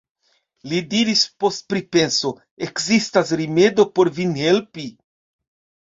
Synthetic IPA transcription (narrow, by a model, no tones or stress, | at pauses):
lidiɾispost̚pɾipenso | ekzistasɾimedopoɾvinhelpi